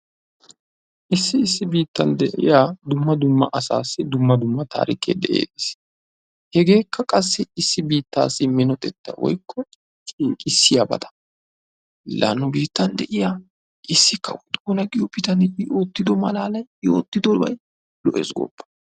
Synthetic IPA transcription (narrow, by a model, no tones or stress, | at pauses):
ʔɪsːɪɪsːɪbiːt̪ːɐnd̪ɛʔɪ̰jaːd̪ʊmːɐd̪ʊmːɐʔɐsa̰ːsːɪd̪ʊmːɐd̪ʊmːɐt̪a̰ːɾɪkːḛːd̪ɛʔḛːd̪is | hɛɡe̞ːkːɐkʼɐsːɪɪsːɪbiːt̪ːa̰ːsːɪmɪnɔt̪ʼɛt̪ːɐ̰wʔɔ̰jkʰːɔ | t͡ʃʼiːkʼɪsːɪjabɐ̰t̪ɐ̥ | la̰nːʊbiːt̪ːɐnd̪ɛʔɪjaː | ʔɪsːɪkːɐ̰wʊd̪ɡuːnɐɡɪjɔpɪt̪ɐnɪb̪ɪjo̞ːt̪ːɪd̪ɔmɐlaːlɐjjo̞ːt̪ːɪd̪ɔbɐ̰j | lɔʔḛːsɡo̰pːɐ̥